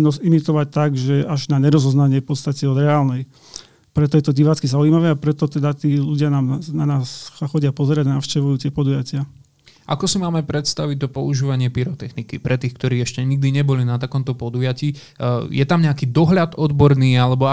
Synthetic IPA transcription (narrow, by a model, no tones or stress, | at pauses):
nɔsimit̪ɔʋac̚t̪aɡʒɛaʒnaɲɛɾɔzɔznaɲɪɛpɔt̪st̪acɛɔd̪ɾɛaːlnɛj | pɾɛt̪ɔjɛt̪ɔɟiʋaːt͡skizaujmaʋɛapɾɛt̪ɔt̪ɛd̪at̪iːluɟɪanaːmananaːsxɔɟɪapɔzɛɾaɟnafʃcɛʋujuːt̪ɪɛpɔd̪ujacɪa | ʔakɔsimaːmɛpɾɛt̪st̪aʋic̚t̪ɔpɔuʒiːʋaɲɪɛpiɾɔt̪ɛxnikipɾɛt̪iːxkt̪ɔɾiːɛʃcɛɲiɡ̚d̪iɲɛbɔlinat̪akɔmt̪ɔpɔd̪ujaciː | jɛt̪amɲɛakiːd̪ɔɦʎat̪ɔd̪bɔɾniːalɛbɔ